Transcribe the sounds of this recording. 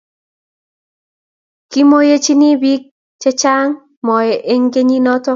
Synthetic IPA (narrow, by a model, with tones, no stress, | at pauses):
ki˦mo˦je˦t͡ʃi˦ni˦bi˦k̚ | t͡ʃɛ˦t͡ʃa˦ŋ | mɔ˨jɛ˨ʔe˦ŋɡe˦ɲi˦nɔ˦tɔ˦